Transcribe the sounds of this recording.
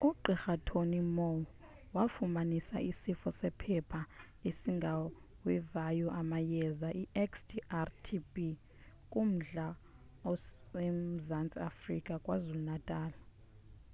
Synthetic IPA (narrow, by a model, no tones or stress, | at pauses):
uǃixatʰonimɔ | wafumanisa̰ʔisifɔsɛpʰɛpʰa | isiŋɡʱa | wɛvajuʔamajɛzaʔiɛksdiʔartʰibʼi | kʼum̩ɮa | ɔ | em̩zant͡sʼia̰frikʼakʼwazulunatʼaːla